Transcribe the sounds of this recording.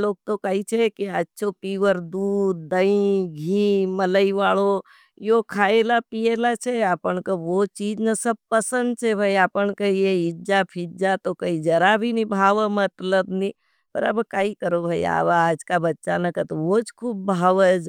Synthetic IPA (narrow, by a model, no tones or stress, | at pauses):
loːɡ̚t̪okait͡ʃʰekiətːʃʰopiːʋəɾd̪uːɾd̪əĩɡʱĩːmələiʋaːɭo | jokʰaːelapijelat͡ʃʰeaːpəɳkəʋot͡ʃiːd͡ʒnasəb̚pəsə̃nd̪̚t͡ʃʰɛbʱaiaːpəɳkəɦijeɪd͡ʒapʰid͡ʒat̪okəid͡ʒəɾabʱinibʱaːʋəmət̪ləbni | pə̰ɾəbkaːikəɾobʱaḭa̰ːʋaːd͡ʒkabɐtːʃanəkət̪oʋot͡ʃkʰuːb̚bʱaːʋəd͡ʒ